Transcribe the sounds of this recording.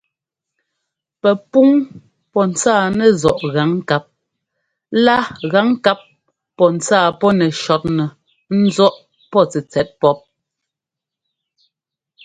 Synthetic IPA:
pɛ˨pu˦ŋ | pɔ˦n̩˨t͡saː˦˨nɛ˨zɔ˨ʔɣa˨˦ŋ˦ka˦p̚ | la˦ɣa˨˦ŋ˦ka˦p̚ː | ɔ˨n̩˨t͡saː˦˨pɔ˦nɛ˨ʃɔ˨˦t̚nɛ˨ | n̩˦zɔ˦ʔ | pɔ˦t͡sɛ˨t͡sɛ˨˦t̚pɔ˦p̚

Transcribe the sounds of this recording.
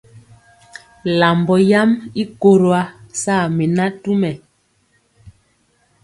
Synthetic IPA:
la˨mbɔ˨ja˦mi˦ko˦ɾo˨a˦sa˦˨mi˨na˦tu˦mɛ˨

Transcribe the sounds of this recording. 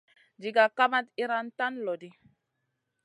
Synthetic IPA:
d͡ʒi˨ɡa˨ka˦ma˦t̪i˦ɾa˦nta˦nlo˨di˦

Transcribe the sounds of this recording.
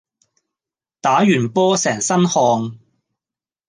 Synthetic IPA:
t̪aː˨˥jyː˨˩npɔː˥sɛː˨˩ŋsɐ˥nhɔː˧ŋ

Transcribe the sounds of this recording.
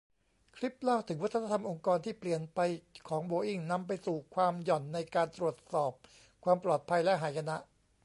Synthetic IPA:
kʰɾi˦˥p̚laː˥˩wt̪ʰɯ˩˦ŋwa˦˥t̪ʰːna˧t̪ʰa˧mʔo˧ŋkɔː˧nt̪ʰiː˥˩pli˨˩ənpa˧jkʰɔː˩˦ŋboː˧ʔi˥˩ŋna˧mpa˧jsuː˨˩kʰwaː˧mjɔ˨˩nːa˧jkaː˧nt̪ɾu˨˩ət̪̚sɔː˨˩p̚ | kʰwaː˧mplɔː˨˩t̪̚pʰa˧jlɛ˦˥ɦaː˩˦jkʰa˧na˦˥ʔ

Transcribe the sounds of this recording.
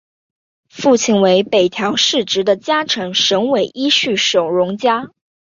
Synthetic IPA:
fu˥˩t͡ɕʰi˥˩nwe˧˥ɪpe˨˩ɪt̪ʰjɑ˧˥ʊʂɻ̩˥˩ʈ͡ʂɻ̩˧˥d̪ə˧t͡ɕja˥ʈ͡ʂʰɤ˧˥ŋʂɤ˧˥ŋwe˨˩ɪʔi˥ɕy˥˩ʂo˨˩ʊɻʊ˧˥ŋt͡ɕja˥

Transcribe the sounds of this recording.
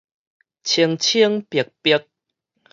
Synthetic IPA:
t͡ɕʰi˧əŋt͡ɕʰi˦˧əŋpjə˨˩k̚pi˧˦k̚

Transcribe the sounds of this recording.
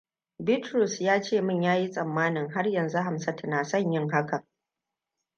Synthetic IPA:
bɪ˦tɾʊ˨sjaː˦t͡ʃeː˦˨mɪ˦ɲjaː˦ji˦sʼɐ˨mːaː˦nɪ˨ŋɦa˦rjɐ˨nzu˦ɦa˨msɐ˦tnaː˨sɐ˦ɲjɪ˦ŋɦa˦ka˨

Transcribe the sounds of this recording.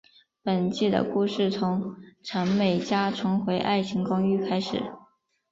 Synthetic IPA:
pə˨˩nt͡ɕi˥˩d̪ə̰˨˩ku˥˧ʂɻ̩˥˩t͡sʰʊ˧˥ŋʈ͡ʂʰə˧˥nme˨˩ɪt͡ɕja˥ʈ͡ʂʰʊ˧˥ŋxwe˧˥ɪʔa˥˩ɪt͡ɕʰi˧˥ŋkɑ˥ŋy˥kʰa˥ɪʂɻ̩˨˩˦

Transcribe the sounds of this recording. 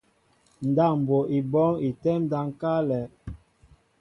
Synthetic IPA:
n̩˨da˦˨m̩˨bo˨ʔi˨bɔ˦ŋi˨tɛ˦mda˨ŋ˦ka˦lɛ˨˦

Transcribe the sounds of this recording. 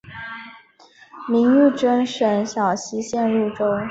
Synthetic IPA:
mi˧˥ŋy˥˩ʈ͡ʂə˥ŋʂə˧˥nɕjɑ˨˩ʊɕi˧˥ɕjɛ˥˧nɻu˥˩ʈ͡ʂo˥ʊ

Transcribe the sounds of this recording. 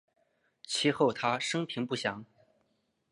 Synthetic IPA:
t͡ɕʰi˧˥xo˥˩ʊt̪ʰa˥ʂɤ˥ŋpʰi˧˥ŋpu˥˩ɕjɑ˧˥˦ŋ

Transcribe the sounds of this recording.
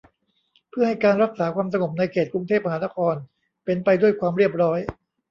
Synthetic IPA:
pʰɯ˥˩ɐha˥˩jkaː˧nɾa˦˥k̚saː˩˦kwaː˧ms̬a˧ŋo˨˩p̚na˧jkʰeː˨˩t̪̚kɾu˧ŋt̪ʰe˥˩p̚ma˧ɦaː˩˦na˦˥kʰɔː˧n | pe˧npa˧jdu˥˩əjkʰwaː˧mɾi˥˩əp̚ɾɔː˦˥j

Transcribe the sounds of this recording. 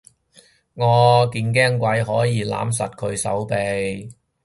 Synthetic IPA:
ŋɔː˨˧kiː˧nk̬ɛː˥ŋkʷɐ˨˧jɦɔː˨˥jiː˨˧la̰ː˨˥ms̬ɐ˨t̚kʰɵ˨˧ɥsɐ̰˨˥wpe˨j

